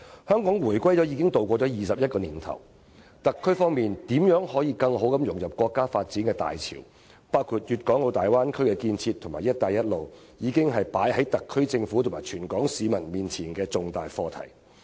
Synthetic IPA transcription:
hœː˥ŋkɔː˨˥ŋwuː˨˩jkʷwʷɐ˥jt͡sɔː˨˥jiː˨˧kɪ˥ŋt̪o˨wkʷɔː˧t͡sɔː˨˥jiː˨sɐ˨p̚jɐ˥t̚kɔː˧niː˨˩nt̪ʰɐ̰˨˩w | t̪ɐ˨kʰːɵ˥ɥfɔː˥ŋmiː˨nt̪iː˨˥mjœː˨˥ŋhɔː˨˥jiː˧kɐ˧ŋɦo˨˥wkɐ˨˧mjʊ˨˩ŋjɐ˨p̚kwɔː˧kːaː˥faː˧t̚t͡siː˨˥nkɛː˧t̪a̰ː˨jt͡sʰḭː˨˩w | paː˥wkʰuː˧t̚jyː˨t̚kɔː˨˥ŋlo˨˧wt̪aː˨˩jwaː˥nkʰɵ˥ɥkɛ˧kiː˧nt͡sʰiː˧t̪ʰːʊ˨˩ŋmaː˨˩jɐ˥t̚t̪aː˧jɐ˥t̚lo˨w | jiː˨˧kɪ˥ŋɦɐ˨jpaː˨˥jhɐ˨˥jt̪ɐ˨kʰːɵ˥ɥt͡sɪ˧ŋfuː˨˥t̪ʰmaː˨˩jt͡ʃʰyː˨˩nkɔː˨˥ŋsiː˨˧mɐ˨˩nmiː˨nt͡sʰiː˨˩nkɛː˧t͡sʊ˨ŋt̪aː˨jfɔː˧t̪ʰɐ̰˨˩j

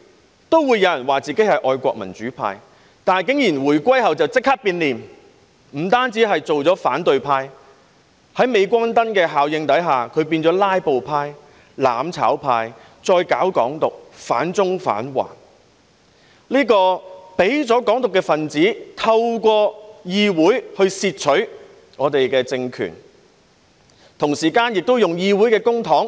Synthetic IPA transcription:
t̪o˥wwuː˨˧jːɐ˨˧wjɐ˨˩nwaː˨˩t͡siː˨ke˨˥jhɐ˨jʔɔː˧jkʷɔː˧k̚mɐ̰˨˩nt͡ʃyː˨˥pʰa̰ː˧j | t̪aː˨nkɪ˨˥ŋjiː˨˩nwuː˨˩jkʷɐ˥jɦɐ˨wt͡sɐ˨wt͡sɪ˥k̚haː˥k̚piː˧nliː˨˩m | m̩˨˩t̪aː˥nt͡siː˨˥ɦɐ˨jt͡so˨wt͡sɔː˨˥faː˨˥nt̪ɵ˨ɥpʰaː˧j | hɐ˨˥jme˨˧jkʷɐː˥nt̪ɐ˥nkɛː˧ɦaː˨wjɪ˧ŋt̪ɐ˨˥jɦaː˨˩kʰɵ˨˧ɥpiː˧nt͡sɔː˨˥laː˥jpo˨wpʰaː˧j | laː˨mt͡sʰa̰ː˨˥wpʰaː˧j | t͡sɔː˧jkaː˨˥wkɔ̰ː˨˥ŋt̪ʊ˨k̚fa̰ː˨˥nt͡sʊ˥ŋfa̰ː˨˥nwa̰ː˨˩n | liː˥kɔː˧pe˨˥jt͡sɔː˨˥kɔː˨˥ŋt̪ʊ˨kːɛː˧fɐ˨nt͡siː˨˥t̪ʰɐ˧wkʷɔː˧jiː˧wuː˨˥jhɵ˧ɥsiː˧t̚t͡ʃʰɵ˨˥ɥ | ŋɔː˨˧t̪e˨jkɛː˧t͡sɪ˧ŋkʰy̰ː˨˩n | t̪ʰʊ˨˩ŋsiː˨˩kaː˧njɪ˨k̚t̪o˥wjʊ˨ŋjiː˧wuː˨˥jkɛː˧kʊ˥ŋt̪ʰɔː˨˥ŋ

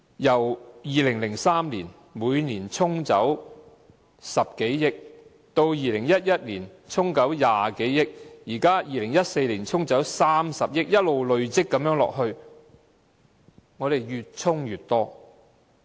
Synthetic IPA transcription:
jɐ˨˩wjiː˨lɪ˨˩ŋlɪ˨˩ŋsaː˥mliː˨˩n | muː˨˧jniː˨˩nt͡sʰʊ˥ŋt͡sɐ˨˥w | sɐ˨p̚ke˨˥jjɪ˥k̚ | t̪o˧wjiː˨˧lɪ˨˩ŋjɐ˥t̚jɐ˥t̚liː˨˩nt͡sʰʊ˥ŋkɐ˨˥wjaː˨ke˨˥jːɪ˥k̚jiː˨˩kaː˥jiː˨˧lɪ˨˩ŋjɐ˥t̚se˧jliː˨˩nt͡sʰʊ˥ŋt͡sɐ˨˥wsaː˥msɐ˨p̚jɪ˥k̚jɐ˥t̚lo˨˧wlɵ˨˧ɥt͡sɪ˥kːɐ˨˥mjœː˨˥ŋlɔ̰ː˨k̚ɦɵ˧ɥ | ŋɔː˨˧ɾe˨jjyː˨t̚t͡sʰʊ˥ŋjyː˨˩t̚t̪ɔː˥

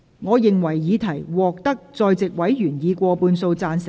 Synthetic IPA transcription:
ŋɔː˨˧jɪ˨ŋwɐ˨˩jːiː˨˧t̪ʰɐ˨˩jwɔː˨k̚t̪ɐ˥k̚t͡sɔː˧jt͡sɪ˨k̚wɐ˨˥jɥyː˨˩njiː˨˧kʷɔː˧puː˧nso˧wt͡saː˧nsɪ˨

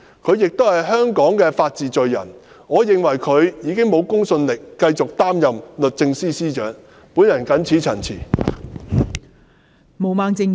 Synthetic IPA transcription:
kʰɵ˨˧ɥjɪ˨k̚t̪o˥whɐ˨jɦœː˥ŋkɔː˨˥ŋkɛː˧faː˧t̚t͡siː˨t͡sɵ˨ɥjɐ̰˨˩n | ŋɔː˨˧jɪ˨ŋwɐ˨˩jkʰɵ˨˧ɥjiː˨˧kɪ˥ŋmo˨˧wkʊ˥ŋsɵ˧nlɪ˨kːɐ˧jt͡sʊ˨k̚t̪aː˥mjɐ˨mlɵ˨t̚t͡sɪ˧ŋsiː˥siː˥t͡ʃœː˨˥ŋ | puː˨˥njɐ˨˩nkɐ˨˥nt͡sʰiː˨˥t͡sʰɐ˨˩nt͡sʰiː˨˩ | mo˨˩wmaː˨˧ŋt͡sɪ˧ŋ

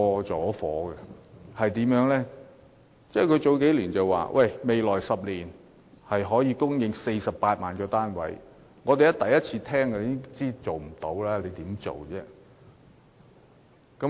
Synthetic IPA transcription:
ɔː˧t͡sɔː˨˥fɔː˨˥ɡɛ˧hɐ˨jt̪iː˨˥mjœː˨˥ŋlɛ˥ | t͡sɛː˥˩kʰɵ˨˧ɥt͡so˨˧wke˨˥jliː˨˩nt͡sɐ˨wa̰ː˨wʔɐ˥˩jme˨jlɔː˨˩jsɐ˨p̚liː˨˩n | hɐ˨jɦɔː˨˥jiː˨˧kʊ˥ŋjɪ˨ŋse˧jsɐ˨p̚ːaː˧t̚maː˨˩nkɔː˧t̪aː˥nwɐ̰˨˥j | ŋɔː˨˧t̪e˨jɐ˦˥t̪ɐ˨jɐ˥t̚t͡sʰiː˧t̪ʰɛː˥ŋkɛ˧˦ɪ˥t͡siː˥t͡so˨wm̩˨˩t̪o˨˥wlaː˥le˨˧t̪iː˨˥mt͡so̰˨˩wt͡sɛː˥ | kɐ˨˥

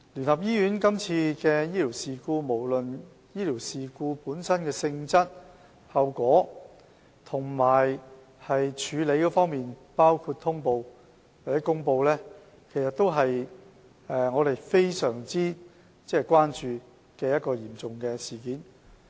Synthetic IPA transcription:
ly˨˩nhɐ˨p̚jiː˥jyː˨˥nkɐ˥mt͡sʰiː˧kɛː˧jiː˥lʰiː˨˩wsiː˨kuː˧mo˨˩wlɵ˨n | jiː˥lʰiː˨˩wsiː˨kuː˧puː˨˥nsɐ˥nkɛː˧sɪ˧ŋt͡sɐ˥t̚ | hɐ˨wkʷɔː˨˥ | t̪ʰʊ˨˩ŋmaː˨˩j | hɐ˨jt͡ʃʰyː˨˧le˨˧jkɔː˨˥fɔː˥ŋmiː˨npaː˥wkʰu˧t̚t̪ʰʊ˥ŋpo˧w | wa˨˩t͡sɛː˨˥kʊ˥ŋpo˧wlɛː˥ | kʰe˨˩jsɐ˨t̪o˥wɦɐ˨j | ɛ˨˧ŋɔː˨˧ɾe˨jfe˥jsœː˨˩ŋt͡siː˥ | t͡sɛ˥˨kʷwaː˥nt͡ʃyː˨˧ | kɛː˧jɐ˥t̚kɔː˧jiː˨˩mt͡sʊ˨ŋkɛː˧siː˨˩kiː˨˥n

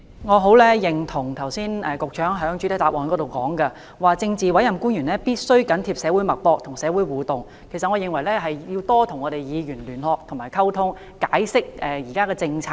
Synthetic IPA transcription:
ŋɔː˨˧ɦo˨˥wlɛː˥jɪ˨˩ŋt̪ʰʊ˨˩ŋt̪ʰɐ˨˩wsiː˥nɛ˨˧kʊ˨k̚t͡ʃʰœː˨˥ŋɦœː˨˥ŋt͡ʃy˨˥t̪ɐ˨˥t̪aː˨p̚ʔɔː˨nkɔː˨˧˥t̪o˨wkɔː˨˥ŋkɐ˧ | waː˨t͡sɪ˧ŋt͡siː˨wɐ˨˥jɐ˨mkuː˥njyː˨˩nlɛː˥piː˥t̚sɵ˥ɥkɐ˨˥nt̪ʰiː˧˥p̚sɛː˨˥wu˨˥jmɐ˨t̚pɔː˧k̚t̪ʰʊ˨˩ŋsɛː˨˧˥wu˨˥jwuː˨˩t̪ʊ˨ŋ | kʰe˨˩sɐ˨t̚ŋɔː˨˧jɪ˨ŋwɐ˨˩jlɛː˥ɦɐ˨jjiː˧wt̪ɔː˥t̪ʰʊ˨˩ŋɔː˨˧ɾe˨jjiː˨˧jyː˨˩nlyː˨˩nhɔː˨k̚t̪ʰʊ˨˩ŋmaː˨˩jkʰɐ˥wt̪ʰʊ˥ŋ | kaː˨˥jsɪ˥k̚ɛː˨jiː˨˩kaː˥kɛː˧t͡sɪ˧ŋt͡sʰaː˧˥

